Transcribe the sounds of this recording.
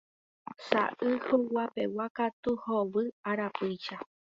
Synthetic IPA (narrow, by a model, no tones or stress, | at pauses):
sa̰ʔɨhowapḛwakat̪uhoβɨaɾapɨjʃa